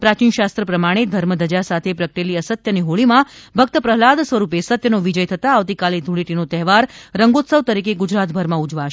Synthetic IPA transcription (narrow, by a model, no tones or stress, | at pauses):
pɾat͡ʃinʃast̪ɾəpɾəmaɽ̃ed̪ʱəɾməd̪əd͡ʒasat̪ʰepɾəkʈeliəsət̪jəniɦoɭimãbʱək̚t̪əpɾəɦlad̪sʋəɾupesət̪jənoʋid͡ʒəjt̪ʰət̪aːʋt̪ikaled̪ʱuɭiʈinot̪ɛɦʋaɾɾəŋɡot̪səʋt̪əɾikeɡʊd͡ʒɾat̪bʱəɾmãud͡ʒʋaʃ